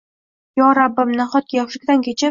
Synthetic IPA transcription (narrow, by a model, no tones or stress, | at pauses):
jɒɾabːɪmnaχɒt̪̚kʲjɒχʃɪkʲd̪ankʲʰet͡ʃʰɪ